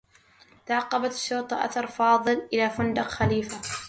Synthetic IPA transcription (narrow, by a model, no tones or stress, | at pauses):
t̪aʕɑqːɑbat̪ʃːʊːt̪ˤɑʔa̰θɑɾˤfɑːðˤɨlʔɪlaːfʊnd̪ɑqxaliːfa